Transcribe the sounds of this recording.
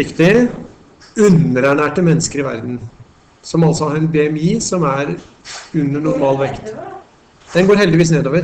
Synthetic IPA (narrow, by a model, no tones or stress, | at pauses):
ɪkt̪ɪə | ʉnəɾæɳæːʈəmɛnːəskəɾɪʋæ̰ɾd̪n̩ | sɔmɑlsɔhɑɾɛnbɛɛmiːsɔmæɾ | ʉnːəɳʊɾmɑːlʋɛkt̪ | d̪̥ɛnɡoːɾhɛld̪ɪʋiːs̬neːd̪oːʋəɾ